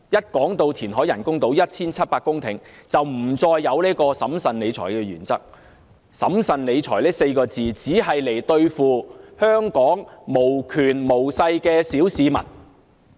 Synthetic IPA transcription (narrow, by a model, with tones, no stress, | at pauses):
jɐ˥t̚kɔː˨˥ŋt̪o˧wt̪ʰiː˨˩nɦɔː˨˥jɐ˨˩nkʊ˥ŋt̪o˨˥wjɐ˥t̚t͡sʰiː˥nt͡sʰɐ˥t̚paː˧kʊ˥ŋt̪ʰɪ˨˩ŋt͡sɐ˨wm̩˨˩t͡sɔː˧jːɐ˨˧wliː˥kɔː˧sɐ˨˥msɐ˨nle˨˧jt͡sʰɔː˨˩jkɛː˧jyː˨˩nt͡sɐ̰˥k̚ | sɐ̰˨˥msɐ˨nle˨˧jt͡sʰɔː˨˩lɛː˥se˧jkɔː˧t͡siː˨t͡siː˨˥ɦɐ˨jle˨˩jt̪ɵ˧ɥfuː˨hœː˥ŋkɔː˨˥ŋmo˨˩wkʰyː˨˩nmo˨˩wsɐ˧jkɛː˧siː˨˥wsiː˨˧mɐ̰˨˩n